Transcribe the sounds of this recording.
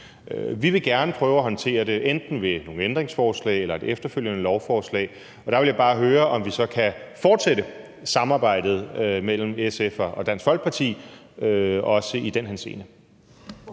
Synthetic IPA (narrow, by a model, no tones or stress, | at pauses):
øʋiʋe̝ɡ̥æɐnəpʰʁœːʊæɦɒ̽nt͡sʰe̝̰ːɐde̝ʔend̥n̩ʋe̝no̝ːŋ̩end̥ʁeŋsfɒːslɛ̰ɪelɐe̝defd̥ɐføljənəlɒʊfɒːslɛ̰ɪ | ɒ̽ɾ̥ɑ̈ʋe̝ljäɪb̥ɑ̈ːɦøːɐʔɒ̽mʋisɒ̽kʰæfɒːd̥seɾə | sɑ̈mɑ̈ːb̥ɑ̈ɪ̰d̥ð̞̩ˠmel̰m̩esefɒɒ̽d̥æn̰sɡ̥fɒl̰ɡ̥̚pʰɑ̈t͡sʰḭː | øɒ̽səid̥enɦænse̝̰ːnə